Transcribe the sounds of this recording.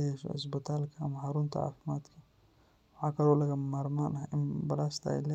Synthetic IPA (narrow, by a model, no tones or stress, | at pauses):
jɛʃɔ̰ɪ̰s̬bɪt̪ʰaːlkʰɐɐmɐhɐɾʊnt̪ʰɐʕa̰ːfɪmaːd̪kʰɐ | wʊħaːkʰɐlɔːlɐɣɐmaːɾmaːnɐɪmbɐlaːst̪ʰɐ̰lɛ